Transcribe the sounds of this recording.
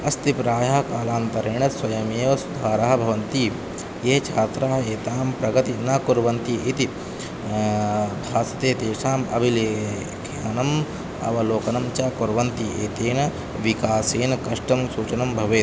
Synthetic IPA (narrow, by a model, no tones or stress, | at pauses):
ɐst̪ipɾaːjaɦkaːlaːnt̪ɐɾɐɳɐsʋɐjɐmeːʋɐsud̪ʱaːɾaɦɐbʱɐʋɐnt̪iː | jeːt͡ʃʰaːt̪ɾaːɦeːt̪aːmpɾɐɡɐt̪inɐkuɾʋɐnt̪iʔit̪i | bʱaːsɐ̥t̪eːt̪eːʃaːmɐ̰bʱileː | ɡʱjaːnɐm | ɐ̰ʋɐloːkɐnɐmt͡ʃaːkuɾʋɐnt̪ieːt̪eːn | ʋikaːseːnɐkɐʂʈɐmsuːt͡ʃɐnɐmbʱɐʋeːt̪